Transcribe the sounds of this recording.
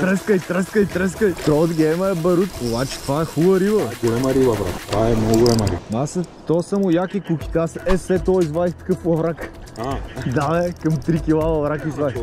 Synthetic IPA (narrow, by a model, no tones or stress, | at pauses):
t̪ɾɛskəjt̪ɾɛskəjt̪ɾɛskəjt̪ɾɔd̪ɡɛjməɛbɐɾut̪obat͡ʃɛ̥t̪ovaɛxulˠəɾivəɡolɛmɐɾibɐvɾa̰kt̪vaɛnɔɡolɛmɐɾḭast̪ɔsɐmojakikukʲi̥t̪asɛsɛt̪ɔizvad̪ixt̪ə̥kəfvɐvɾak | ad̪anɛkɐmt̪ɾikʲilˠavɐvɾakizvaix